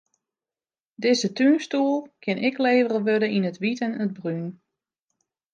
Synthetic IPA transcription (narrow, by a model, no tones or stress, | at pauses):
dɪzətyːnstuːlˠkʰɪnʔɪkleːvərəʋødəinətʋitənəd̚bryn